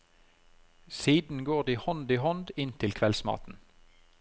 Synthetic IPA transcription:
siːd̪n̩ɡoːʁd̪iːhɔnd̪iːhɔnd̪ɪnt̪ʰɪlkʰʋɛlsmɑ̰ːt̪n̩

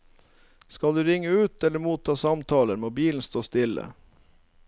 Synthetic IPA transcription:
skɑld̪ʉːɾɪŋːəʉːt̪ɛləmuːt̪ʰːɑːsɑmt̪ʰɑːləɾmoːbiːln̩st̪oːst̪ɪlə̰

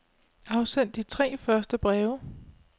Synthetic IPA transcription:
ɑ̈ʊsen̰d̥it͡sʰʁɛ̰ːfɶɐsd̥əb̥ʁɛːʊə

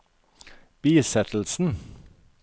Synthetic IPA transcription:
b̥iːsɛt̪ʰl̩sn̩

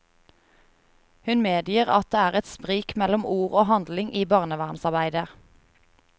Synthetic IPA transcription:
hʉnmeːd̪jiːʁɑt̪̚d̪eːæːʁɛt̪spʁiːkmɛlɔmuːʁoːhɑnd̪lɪŋʔiːbɑʁnəʋæːʁnsɑʁbæɪd̪ə

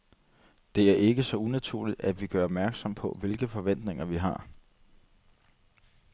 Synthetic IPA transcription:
d̥e̝æɐʔe̝ɡ̥əsɒ̽unæt͡sʰuɐlid̥æd̥ʋiɡ̥ɶɐɒb̥̚mæɐɡ̥sɒ̽m̰pʰɒ̽ʋe̝lɡ̥əfɒ̽ʋen̰d̥ne̝ŋɐʋiɦɑ̈

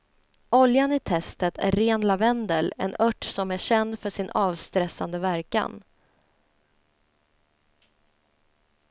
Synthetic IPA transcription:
ʔɔljanɪt̪ʰɛst̪ət̪ʰæ̰ɾːeːnlavɛnd̪əlɛ̰nœʈːsɔmæɕɛnd̪fœʂɪnʔɑːvst̪ɾɛsːand̪əvæɾka̰n

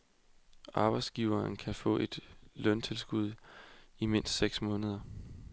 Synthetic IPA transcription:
ʔɑ̈ːb̥ɑ̈ɪd̥sɡ̥iʊɐnkʰæfɔ̰̽ːʔe̝d̥lœnt͡sʰe̝lsɡ̥uð̞̰ˠime̝n̰sd̥seɡ̥smɔ̽ːnəð̞ˠɐ

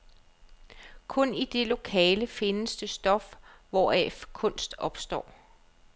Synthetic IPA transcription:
kʰɔ̽nid̥e̝lo̝kʰɛ̰ːləfe̝nəsd̥əsd̥ɒ̽fʋɒːɛ̰fkʰɔ̽n̰sd̥ɒ̽b̥sd̥ɒ̰ː

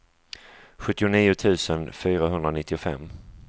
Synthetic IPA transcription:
ɧɵt̪ːɪʊniːʊt̪ʰʉ̟ːsənfyːɾaɦɵnd̪ɾanɪt̪ːɪʊfɛ̰mː

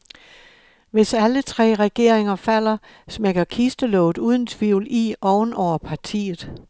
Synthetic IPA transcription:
ʋe̝sælət͡sʰʁɛ̰ːʁɛɡ̥e̝ɐ̰eŋɐfæl̰ɐ | smeɡ̥ɐkʰisd̥əlɔ̽ːʊð̩ˠuːð̞ˠn̩t͡sʰʋḭʊliʔɒʊnɒʊ̰ɐpʰɑ̈t͡sʰḭːð̞̩ˠ

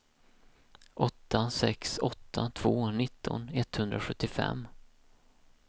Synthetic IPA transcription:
ʔɔt̪ːasɛksɔt̪ʰːat̪ʰv̥oːnɪt̪ʰːɔ̰nɛt̪ːhɵnd̪ɾaɧɵt̪ːɪfɛ̰mː

